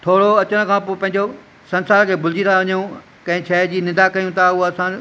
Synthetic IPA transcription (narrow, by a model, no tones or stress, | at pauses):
t̪ʰoːɽoɐt͡ɕəɽ̃ə̆kʰãːpoːpɐ̃ɦɪ̃ɲ̆d͡ʑo | sɐ̃nsaːɾkʰeːbʱʊld͡ʑit̪ʰaʋɐɲjũ | kɐ̃ɦɪ̃t͡ɕʰɐd͡ʑiːnɪ̃d̪akɐjũt̪ʰaʊɦoɐsã